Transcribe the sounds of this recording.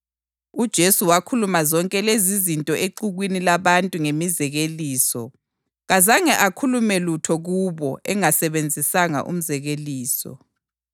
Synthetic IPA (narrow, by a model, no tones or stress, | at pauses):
ud̥ʒ̥ʱesuwakʰulumazɔŋkʼɛlezizintʼɔʔeǃuɣwinilaβantʼuŋemizɛɣeliːsɔ | ɣazaŋɛʔakʰulumɛlutʰɔɣuβɔʔɛŋasɛβend͡zʱisaŋa̰ʔṵm̩zɛɣeliːsɔ̰